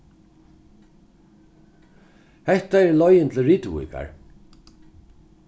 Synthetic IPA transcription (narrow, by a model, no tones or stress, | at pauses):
hɛht̪aɛɹlɔjɪnt̪ʰl̩ɹiːt̪vṵːka̰ɹ